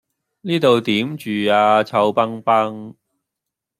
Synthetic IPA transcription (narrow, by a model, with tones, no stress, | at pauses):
niː˥t̪o˨wt̪iː˨˥mt͡ʃyː˨˩aː˧t͡sʰɐ˧wpɐ˥ŋpɐ˥ŋ